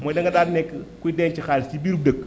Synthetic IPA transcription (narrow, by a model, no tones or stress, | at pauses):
mɔːjdɐŋɡɐdadnɛkːkuidɛnt͡ʃixalsibiːɾub̚dək